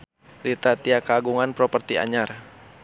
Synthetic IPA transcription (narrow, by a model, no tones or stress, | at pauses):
ɾit̪at̪iakaɡuŋanpɾɔpərt̪ia̰ɲar